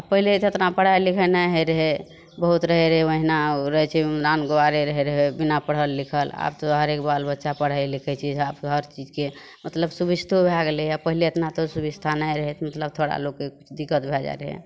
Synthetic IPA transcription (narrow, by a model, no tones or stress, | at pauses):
apəɦilet̪et̪napəɽ̤ajlikʰɛnajɦeɾəɦe | bəɦut̪ɾəɦeɾəɦeʋəɦinaɾəɦɛt͡ʃʰɛɾanɡowaɾeɾəɦɛɾəɦebinapəɽ̤ɦəlːikʰəla̰bt̪oɦəɾekbalbətːʃapəɽ̤ajlikʰɛt͡ʃʰiabɦəɾt͡ʃid͡ʒke | mət̪ləbsubist̪ʰobʱaɡleapəɦileet̪nat̪osubist̪ʰanajɾəɦɛt̪ʰmət̪ləb̚t̪ʰoɽa̰loɡkekut͡ʃʰd̪ikːət̪̚bʱɛd͡ʒa̰ɾəɦɛ̰